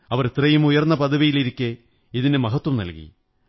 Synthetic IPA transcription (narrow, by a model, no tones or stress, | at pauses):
ɐʋɐrit̪rɐjumujɐrnːɐpɐðɐʋijiliɾikʲːɨ | iðinɨmɐɦɐt̪wɐmnɐ̰lkḭ